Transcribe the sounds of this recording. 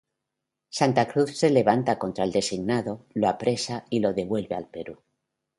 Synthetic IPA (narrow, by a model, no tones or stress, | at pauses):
sant̪akɾuθse̞le̞β̞ant̪ako̞nt̪ɾaeld̪e̞siɣnaðo̞loapɾe̞sailo̞ðe̞βwe̞lβealpe̞ɾu